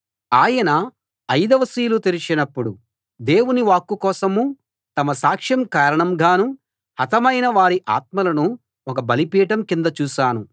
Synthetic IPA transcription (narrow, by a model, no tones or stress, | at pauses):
aːjɐnɐ | ɐjd̪ɐʋɐsiːlut̪eɾit͡ʃinɐpːuɽu | d̪e̞ːwuniʋaːkːukɔːsɐmuː | t̪ɐmɐsaːkʂjɐmkaːɾɐɳɐmɡʱaːnu | hɐt̪ɐmɐjnɐʋaːɾiʔa̰ːt̪̚mɐlɐnu | ɔk̬ɐbɐlipiːʈɐmkind̪ɐt͡ʃuːʃaːnu